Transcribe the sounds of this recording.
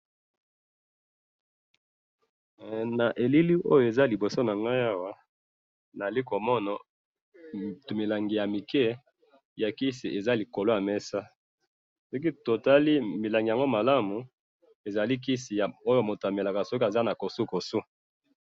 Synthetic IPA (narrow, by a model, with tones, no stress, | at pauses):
na˨ʔe˨li˦li˦ʔo˦jo˨e˨za˦li˨bo˨so˦na˨ŋɡa˦ja˦wa˦ | na˨li˦ko˨mɔ˦na˨ | tmi˨la˨ŋɡi˨ja˨mi˨kɛ˦ | ja˨ki˦si˨ʔe˨za˦li˨ko˨lo˦ja˨mɛ˦sa˦ | sɔ˦k̬i˦to˨ta˦li˦mi˨la˨ŋɡi˨ja˨ŋɡo˦ma˨la˦mu˨ | e˨za˨li˦k̬i˦si˨ja˨o˦jo˦˨mo˨ta˨me˨la˨ka˨sɔ˦ki˦a˨za˦na˨ko˨su˦ko˨su˦